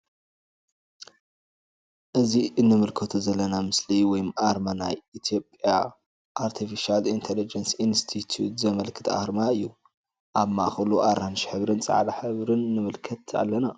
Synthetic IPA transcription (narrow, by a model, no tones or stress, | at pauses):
ʔɨziʔɨnːɨmɨlkʰɐt̪ʰuzɐlːɐnamɨsliwɔjmaɾmana̰jit̪ʰijo̞pʼja | ʔaɾt̪ʰifiʃalint̪ʰelid͡ʒɐnsinst̪ʰit̪ʰjut̪zɐmɐlkʰɨ̥t̪ʰa̰hɾmaɨjːu | ʔaβma̰ʔxɐluʔaɾanʃi̥ħɨβɾɨnt͡sʼa̰ʕlaħɨβɾɨnːɨmɨlkʰɐt̪a̰lːɐna